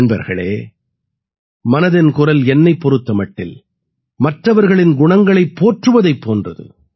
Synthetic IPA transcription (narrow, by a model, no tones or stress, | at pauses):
nbɐ̰ɾɣɐ̰ɭḛː | mɐnɐðɪnkʊrɐlɛnːɐɪpːɔɾɯt̪ːɐmɐʈːɪ̰l | mɐʈrɐʋɐɾɣɐɭɪnɡʊɳɐŋɡɐɭɐɪpːoːʈrɯʋɐðɐɪpːoːndrɐ̰ðɯ̰